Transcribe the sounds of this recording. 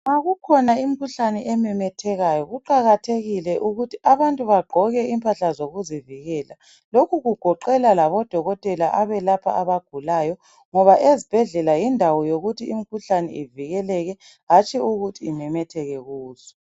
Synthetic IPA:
ŋaɣukʰɔnaim̩kʰuɬanɛʔɛmɛmɛtʰɛɣajɔɣuǃaɣatʰeɣilɛʔuɣutʰiʔaβantʼuβaɡ͡ǃʱɔɣɛimpʰaɬazoɣuziviɣɛːla | lokʰuɣuɡ̥ʱɔǃɛlalaβɔd̥ʱɔɣɔtʼɛlaʔaβɛlapʰa̰ʔaβaɡ̥ʱulajɔ | ŋɔβaʔezib̥ʱɛɮɛlajindʱawɔjoɣutʰiim̩kʰuɬanɛiviɣɛlɛɣɛ | ɣat͡ʃʼiuɣutʰiːmɛmɛtʰɛɣɛɣuːz̥ɔ̥

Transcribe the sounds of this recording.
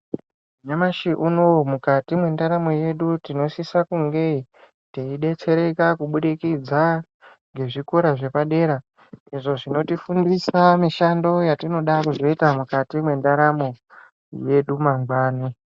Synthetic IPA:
uɲamaʃiʔuno̞mukatimwe̞ndaɾamo̞je̞ɗutino̞sisakuŋɡe̞ | teiɗe̞t͡se̞ɾe̞kakuɓuɗikid͡za | ŋɡe̞ʐikoɾaʐe̞paɗe̞ɾa | iʐo̞ʐino̞tifundisamiʃando̞jatino̞ɗakuzo̞itamukatimwe̞ndaɾamo̞ | je̞ɗumaŋɡwaːni

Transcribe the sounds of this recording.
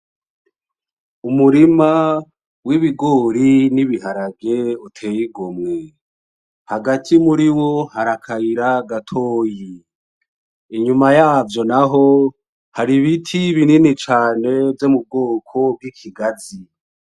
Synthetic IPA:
umuɾima | wiβiɡoːɾiniβiɦaɾabɡe̞utʰe̞jiɡomŋe | haɡatʰimuɾiwohaɾakʰaiɾaɡatʰoːji | iɲumajaːvjo̞naɦo | haɾiβitʰiβininit͡ʃaːne̞vjomub̚ɡoːkʰo̞b̚ɡikʰiɡazi

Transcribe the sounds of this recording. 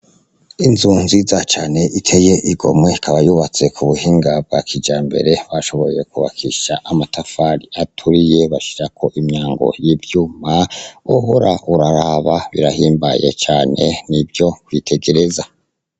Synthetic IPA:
inzuːnzizat͡ʃaːne̞ʔitʰeje̞ʔiɡo̞̰mwe̞ikʰaβajuβat͡se̞kʰuβuhiːŋɡab̚ɡakʰid͡ʒaːmbe̞̰ɾe̞βaʃo̞βo̞je̞kuβa̰kʰiʃaʔamatʰafaɾiatʰuɾije̞βaʃi̥ɾakʰo̞ʔimɲaːŋɡo̞̰jibjuːmawohoɾaʔuɾaɾaβaβḭɾahiːmbaje̞̰t͡ʃaːne̞̰nibjo̞kwitʰe̞ɡe̞ɾe̞za

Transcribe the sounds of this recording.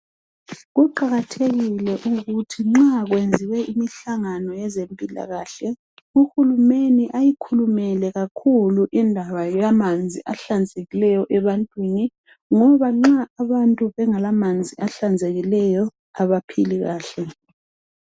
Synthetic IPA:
ɣuǃaɣatʰeɣilɛʔuɣutʰiŋ͡ǁaɣwend͡zʱiwɛimiɬaŋanɔjɛzempʼila̰ɣaːɬɛ | uxulumeniʔajikʰulumɛlɛɣakʰuluʔindʱaβajamand͡zʱiʔaɬand͡zʱeɣilɛjɔʔɛβantʼwiːni | ŋɔβaŋ͡ǁaːβantʼuβɛŋalamand͡zʱiʔaɬand͡zʱeɣilɛjɔ | aβapʰiliɣaːɬɛ

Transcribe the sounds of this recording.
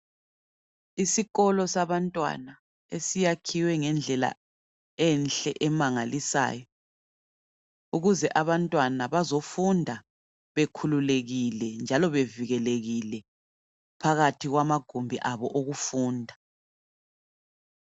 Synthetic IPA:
isiɣɔlɔsaβantʼwa̰na | esijakʰiwɛŋɛnd͡ɮʱɛla̰ | ɛnɬɛʔɛmaŋalisa̰ːjɔ | uɣuzɛʔaβantʼwanaβazofundʱa | βekʰululeɣilɛnd͡ʒʱalɔβeviɣɛleɣilɛ | pʰaɣatʰiɣwamaɡ̥ʱombʱiʔaβɔʔoɣufuːndʱa

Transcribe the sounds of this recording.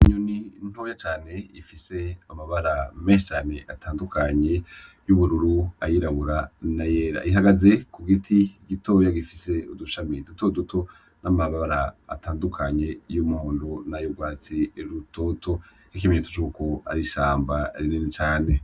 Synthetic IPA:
iɲunin̥hojat͡ʃaːne̞ifise̞amaβaɾameːnʃet͡ʃaːne̞ʔatʰaːndukʰaɲe̞ | juβuɾuɾua̰jiɾaβuɾanajeːɾa̰iɦaɡaze̞kuɡitʰiɡito̞ːjaɡifise̞uduʃamidutodutʰo̞ | namaβaβaɾa̰ːtaːndukʰaɲe̞jumuhoːndonajuɡwaːt͡siɾutʰo̞tʰo̞ | ik̬imeɲeto̥t͡ʃuːkoa̰ɾiʃaːmbaaɾininet͡ʃaːne̞

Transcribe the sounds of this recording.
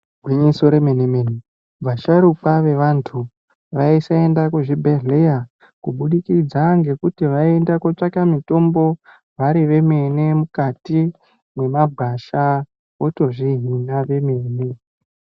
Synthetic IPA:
ɡʱwiɲiso̞ɾemenemene | baʃaɾukaʋe̞ʋantʰu | ʋaisae̞ndakuʐibʱe̞ɮe̞ja | kuɓuɗikid͡zaŋɡe̞kutiʋae̞ndakot͡ʂakamito̞mbo̞ | ʋaɾiʋe̞me̞ne̞mukati | mwe̞maɡʱaʃa | o̞to̞ʐiɦinaʋe̞me̞ːne

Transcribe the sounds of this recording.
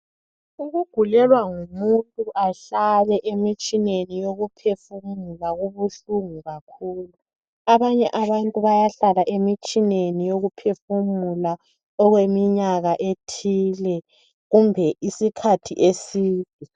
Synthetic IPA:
uɣuɡ̥ʱulɛlwaŋumuntʼuʔaɬalɛʔemit͡ʃʼinenijoɣupʰefumulaɣuβuɬuŋuɣakʰuːlu | aβaɲɛʔaβantʼuβajaɬalaʔemit͡ʃʼinenijoɣupʰefumula | ɔɣwemiɲaɣaʔetʰiːlɛ | ɣumbʱɛʔisikʰatʰiʔesiːd̥ʱi

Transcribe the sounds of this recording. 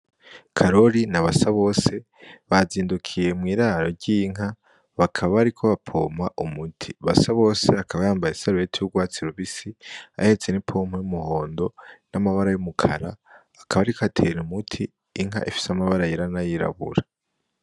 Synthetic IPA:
kʰaɾo̞ɾinaβasaβo̞ːse̞ | βaziːndukʰije̞mŋiːɾaɾo̞ɾɟiːŋɦa | βakʰaβaβaɾikʰo̞βapʰo̰ːmaʔumutʰiβa̰saβo̞ːse̞akʰaβajaːmbajisaɾujetʰiuɡwaːt͡siɾuβisia̰he̞t͡senipʰo̞ːm̥hojumuho̞ːndo̞namaβaɾajumukʰa̰ɾa | akʰaβaɾikʰoatʰeɾumutʰiː | ŋɦa̰ʔifi̥samaβaɾajiɾanajiɾa̰βṵɾa

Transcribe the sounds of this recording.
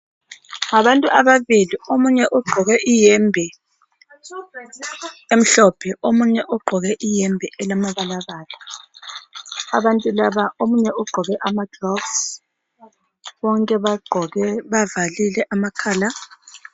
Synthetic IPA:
ŋaβantʼuʔaβaβiliomuɲɛʔɔɡ͡ǃʱɔɣɛʔijɛmbʱɛ | em̩ɬɔpʰɛʔomuɲɛʔɔɡ͡ǃʱɔɣɛʔijɛmbʱɛʔɛlamaβalaɣaːla | aβantʼulaβaʔomuɲɛʔɔɡ͡ǃʱɔɣɛʔamad̥rɔbs | βɔŋkʼɛβaɡ͡ǃʱɔɣɛβavalilɛʔamakʰaːla

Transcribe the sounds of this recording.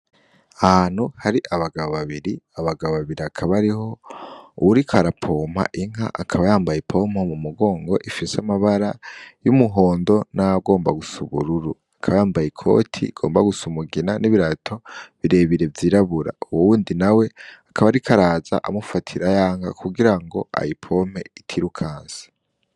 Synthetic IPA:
ahan̥huhaɾiʔaβaɡaβoβaβiɾiaβaɡaβoβaβiɾiakʰaβaɾiho̞uwuɾikʰaɾapʰo̞ma̰ʔiŋ̥ɦa̰ʔakʰaβajaːmbajepʰo̞momumuɡo̞ːŋɡo̞ʔifiseamaβaɾajumuɦo̞ːndo̞naɡo̞ːmbaɡusuβṵɾuɾu | akʰaβajaːmbajikʰo̞̰tʰḭɡ̥o̞ːmbaɡusumuɡinaniβiɾatʰo̞βiɾe̞βiɾe̞vjiːɾaβuɾa̰uwowuːndinawe̞akʰaβaɾikʰaɾaːza̰ʔamufatʰiɾajaːŋɡa̰kʰuɡiɾaŋɡo̞̰a̰jipʰo̞m̥e̞̰itʰiɾukʰaːnsḁ

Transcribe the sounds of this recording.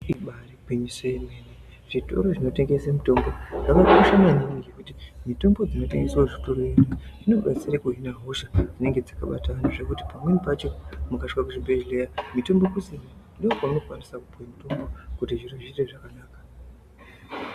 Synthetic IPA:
iɓariɡʱiɲisejemene | ʐ̥ito̞̰ɾo̞ʐino̞te̞ŋɡe̞semuto̞mbo̞ʐakakoʃamaniniŋɡekutimito̞mbo̞d͡zino̞te̞ŋɡeswoʐito̞ɾo̞jeniʐino̞ɓat͡sirekuɦinaɦoʃad͡zine̞ŋɡe̞d͡zaka̰ɓa̰taʋan̤uʐekuti̥pamwenipat͡ʃo̞mukaʃkakuʐibʱeʒlejamito̞mbo̞kusinandiokwamuno̞kuwanisakupuwamito̞mbo̞kutiʐiroʐireʐakanaːkḁ

